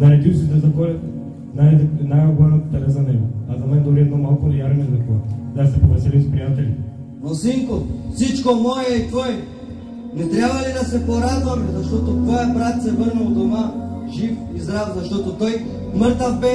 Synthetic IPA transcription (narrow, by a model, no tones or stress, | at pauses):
nɐɾɛd̪isid̪ɐzɐkɔlɛ | naɾɛd̪ɛnaɡɐɡanɐt̪ɛɾɛzɐnɛɡoazɐmɛnd̪oliɛɔmalˠkonɛjaɾnɛzɐkɔd̪asɛpovɾɐsilispɾijat̪ɛli | mosiŋkofsit͡ʃkomɔjɛɛt̪vɔjɛ | nɛt̪ɾjabvɐlid̪ɐsɛpˠaɾad̪vomɛzɐʃt̪ɔt̪ot̪vɔjabɾat̪sɛvəɾnɛld̪omaʒifizɾazɐʃt̪ɔt̪ot̪ɔj | mɤɾt̪ɐbɛ